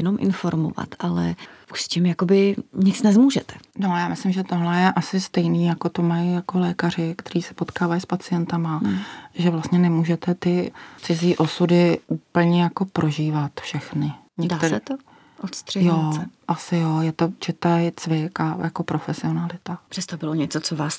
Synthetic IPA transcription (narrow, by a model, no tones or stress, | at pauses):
jɛnomʔɪ̰nfoɾmo̰va̰t̪ʰalɛ̰ʔu̥ʃscɪmjakobɪɲɪt͡snɛzmuːʒɛt̪ɛ̥nojaːmɪslɪmʒɛt̪oɦlɛjɛʔasɪst̪ɛjniːjako̞t̪o̞majijako̞lɛːkar̝ɪkt̪ɛɾiːsɛ̥po̞t̪kaːvajspat͡sɪjɛnt̪amaʒɛvlast̪ɲɛnɛmuːʒɛt̪ɛt̪ɪt͡sɪziːʔo̞sudɪʔupl̩ɲɛjako̞pɾʔo̞ʒiːvat̪fʃɛxnɪ | ɲɛat̪sɛt̪o | ʔot̪st̪r̥ɛjoɛʔasɪjojɛt̪o̞t͡ʃɪt̪ajt͡svɪkajako̞pɾo̞fɛsɪo̞nalɪt̪apr̥ɛst̪obɪloɲɛt͡sot͡sovaːs